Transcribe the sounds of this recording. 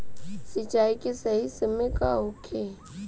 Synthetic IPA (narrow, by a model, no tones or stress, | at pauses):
sɪt͡ʃaːikesɐɦisəmẽkaɦʊkʰe